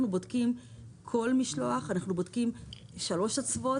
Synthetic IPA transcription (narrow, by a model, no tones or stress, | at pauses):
nubo̞dkimkʰo̞lmiʃlo̞aχanaχnubodkimʃalo̞ʃat͡svo̞